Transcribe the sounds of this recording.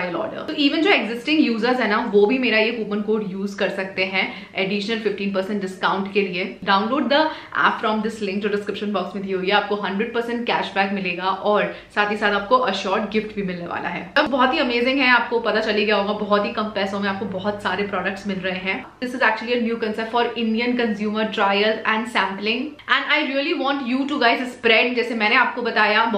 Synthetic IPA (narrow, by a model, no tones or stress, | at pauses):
ajəlɔ̰ːɾɖə̰ɾt̪oiːʋə̃nd͡ʒoːeɡzɪsʈɪ̃ŋɡjuːzəɾzɦɛːnaʋoːbʱimeːɾajekuːpənkoːɾɖjuːzkɐɾsɐk̚t̪eɦɛ̃ | ɛɖiːʃnəlfɪfʈiːnpɐɾsɛ̃ɳʈɖɪskãːʊ̃ɳʈkelieɖaːʊ̃nloːɖ̚d̪ə | æ̰ːpfɾɔ̃ːmd̪ɪslɪ̃ŋkd͡ʒoːɖɪskɾɪpʃə̃nbɔːksmẽd̪ʱiɦoːieaːp̚koɦɐ̃ɳɖɾəɖ̚pəɾsɛ̃ɳʈkæːʃbɛːkmɪleːɡaʔɔːɾ | saːt̪ʰisaːt̪aːp̚koʔɐʃɔːɾʈɡɪfʈbʱimɪlneʋa̰ːla̰ɦɛ̰ːbɔɦɔt̪ɦiɐmeːzɪ̃ŋɡɦɛ̃aːp̚kopɐt̪at͡ʃɐliɡɐjaɦoːɡabɔɦɔt̪ɦikɐ̃mpɛːsõmẽaːp̚kobɔɦɔt̪saːɾepɾɔːɖək̚ʈsmɪlɾɐɦeɦɛ̃ | d̪ɪsɪzæːk̚t͡ʃuəlienjuːkɐ̃nsɛp̚ʈfɔːɾɪ̃ɳɖijə̃nkɐ̃nzjuːməɾʈɾaːɪjəlɛ̃ɳɖsæ̃ːmplɪ̃ŋɡɛ̃ɳaːɪɾiəliʋɔ̃ːɳʈjuːʈuɡaːɪzɪspɾɛɖd͡ʒɛːsemɛ̃ːneaːp̚kobɐt̪aːja